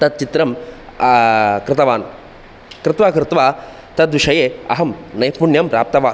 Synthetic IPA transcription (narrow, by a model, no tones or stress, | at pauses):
t̪ɐt̪̚t͡ʃit̪ɾɐm | kɾɪt̪ɐʋaːn | kɾɪt̪ʋaːkɾɪt̪ʋaː | t̪ɐd̪ʋiʂɐjeːɐɦɐmnɐjpuɳjɐmɾa̰ːp̚t̪ɐʋaː